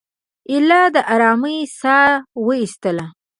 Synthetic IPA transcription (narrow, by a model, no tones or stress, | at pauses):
ɪlɑd̪əʔaɾɑməjsɑwəist̪əla